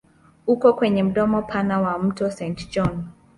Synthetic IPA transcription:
ukɔkwɛɲɛm̩ɗɔmɔpʰanawam̩tɔsɛntd͡ʒɔn

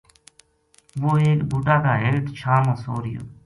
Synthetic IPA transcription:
ʋoːeːkbʱuːʈaːkaːɦelʈt͡ʃʰaːmãːsoːɾɪjo̰ː

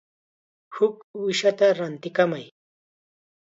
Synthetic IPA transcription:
hʊkʊʃat̪aɾant̪ɪkamaj

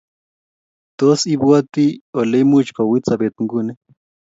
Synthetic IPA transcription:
t̪osibuat̪iolemut͡ʃkawit͡sabet̪uŋɡune

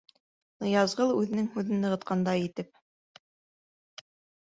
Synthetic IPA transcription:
ɤjɑzʁɤlˠʉðɘ̆nɘŋhʉðɘnːɤ̆ʁɤ̆t̪̚qɑnd̪ɑjit̪ɘp̚

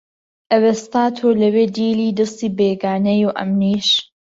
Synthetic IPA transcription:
ʔɐwest̪aːt̪ʰolɐweːd̪iːliːd̪ɨst̪iːbeɡaːnɐjuʔɐ̰mniːʃ

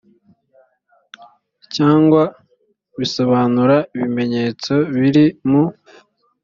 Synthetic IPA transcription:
caːŋɡwa | βiso̞βaːnuɾaiβime̞ɲe̞ːt͡so̞βiɾimu

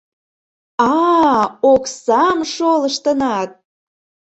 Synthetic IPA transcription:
ɑ | oksɑmʃolə̆ʃt̪ənɑt̪̚

